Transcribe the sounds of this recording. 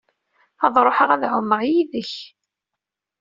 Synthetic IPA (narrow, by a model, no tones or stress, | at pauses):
ɑðˤɾˤoħəʁæðʕʊmːəɾjiðəç